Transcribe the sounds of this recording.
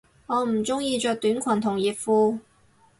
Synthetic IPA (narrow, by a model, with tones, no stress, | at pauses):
ŋɔː˨˧m̩˨˩t͡sʊ˥ŋjiː˧t͡ʃœː˧k̚t̪yː˨˥nkʷʰɐ˨˩nt̪ʰʊ˨˩ŋjiː˨t̚fuː˧